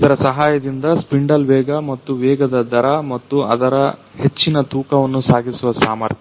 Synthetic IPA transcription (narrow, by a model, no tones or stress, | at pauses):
it̪ɐɾɐsɐɦaːjɐd̪ind̪ɐspiɳɖɐlʋɛːɡɐmɐt̪ːuʋɛːɡɐd̪ɐd̪ɐɾɐmɐt̪ːuɐ̰d̪ɐɾɐ | he̞t͡ʃːinɐt̪uːkɐʋɐnːusaːɡisuʋɐsa̰ːmɐɾt̪ʰɐ